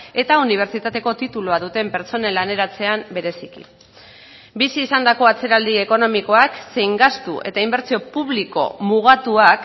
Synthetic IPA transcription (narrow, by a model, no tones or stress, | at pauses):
e̞t̪auniβ̞e̞ɾt͡ʃit̪at̪e̞ko̞t̪it̪uluaðut̪e̞mpe̞ɾt͡so̞ne̞lane̞ɾat͡se̞ambe̞ɾe̞sikḭ | bisiːsand̪ako̞at͡se̞ɾald̪ie̞ko̞no̞miko̞akse̞jŋɡast̪ṵʔe̞̰t̪aimbe̞ɾt͡sio̞puβ̞liko̞̰muɣ̞at̪uak